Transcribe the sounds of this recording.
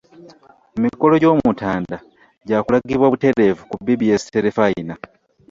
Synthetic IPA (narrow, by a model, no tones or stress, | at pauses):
memiko̞lo̞ɟo̞ːmutaːnda | ɟaːkulaɡiβwaβute̞ɾe̞vukubiβijesi̥teɾefajina